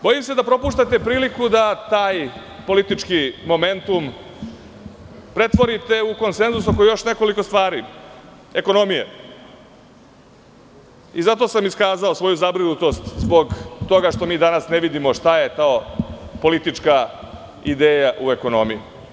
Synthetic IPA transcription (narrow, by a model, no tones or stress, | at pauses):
bo̞jimse̞d̪apɾo̞puːʃt̪at̪e̞pɾiːlikud̪at̪aːj | po̞lit̪it͡ʂkimo̞me̞nt̪um | pɾe̞t̪ʋo̞ɾit̪e̞uko̞nse̞nzusokojejo̞ʃne̞ko̞liko̞st̪ʋaːɾi | e̞ko̞no̞mijḛ | izat̪o̞samiskaːzaosʋo̞juzabɾinut̪o̞st̪zbo̞ɡt̪o̞ɡaʂt̪o̞miːd̪anasneʋid̪imo̞ʂt̪aje̞t̪aopo̞lit̪it͡ʂka | id̪eːjaʔue̞ko̞no̞mijṵ